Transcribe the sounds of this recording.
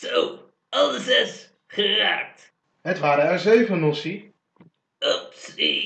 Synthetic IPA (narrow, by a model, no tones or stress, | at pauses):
sow | ɑlˠəsɛs | χəra̰ːk̚t | ɦətʋaːɾəɛɹzejvənɔsi | opsi